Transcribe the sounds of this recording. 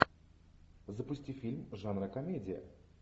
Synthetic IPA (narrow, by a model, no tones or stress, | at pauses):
zəpʊsʲtʲifʲilʲmʐanɾəkɐmʲedʲɪjə̰